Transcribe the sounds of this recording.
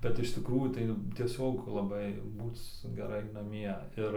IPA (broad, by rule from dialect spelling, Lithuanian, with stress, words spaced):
bʲɛt ɪʃ tʲɪkˈruːjuː tɐɪ tʲiɛˈsʲoːk lˠɐˈbɐɪ ˈbuːt͡s ɡʲɛˈrɐɪ nɐˈmʲiɛ ɪr